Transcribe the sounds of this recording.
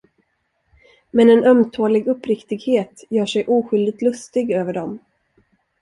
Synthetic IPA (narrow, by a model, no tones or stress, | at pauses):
mɛnɛnœmt̪ʰoːlɪɡɵpːɾɪkt̪ɪɡheːt̪jœːʂɛjʔuːɧʏld̪ɪt̪lɵst̪ɪɡøːvəɖɔm